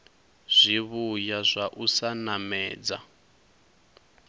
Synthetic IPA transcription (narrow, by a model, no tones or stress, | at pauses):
z̥ʷiβujazʷaʔusanamɛːd͡za̰